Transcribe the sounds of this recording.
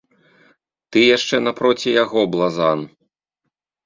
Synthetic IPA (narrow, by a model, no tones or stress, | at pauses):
t̪ɨjaʂt͡ʂɛnɐpɾɔt͡sʲijaɣɔblˠazan